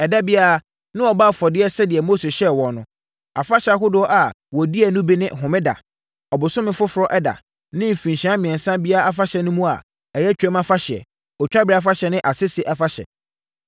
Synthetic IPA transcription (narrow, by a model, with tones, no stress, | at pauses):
ɛ˨da˦bi˦a˦a˨ | nɪ̃˦ɔ˨ba˦˨fɔ˨dɪ˦ɛ˦sɛ˦dɪ˨ɛ˨mo˦se˨ɕɛ˦wɔ̃˨nʊ̃˦ | a̰˨fa˦ɕa˨ɦʊ˦dʊ˦ɔ˦ʔa˨ | wɔ˨di˦ɛ˨nʊ̃˦bi˦nɪ̃˦ʔɦʊ̃˨mɪ̃˦da̰˨ | ɔ˨bʊ˨sʊ˦mɪ̃˦fʊ˦fʊ˨ɾɔ˦ʔɛ˦da̰˨ | nɪ̃˦m̩˨fĩ˨n˨ɕã˨˦mɪ̃˨ɛ̃˨nsã˦bi˦a˦a˦a˦fa˦ɕɛ˨nʊ̃˦mũ˦a̰˨ | ɛ˨jɛ˦t͡ɕᶣɛ˦mã˦fa˦ɕɪ˨ɛ̰˨ | ɔ˨t͡ɕᶣa˦ba˨fa˦ɕɛ˨nɪ̃˦ʔa˨sɪ˦sɪ˦ʔɛ˦fa˦ɕɛ̰˨